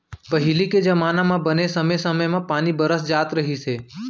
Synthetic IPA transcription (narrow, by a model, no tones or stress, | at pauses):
pəɦiliked͡ʒəmaːnamãbənesəmesəməjmãpaːnibəɾəsd͡ʒaːt̪ɾəɦise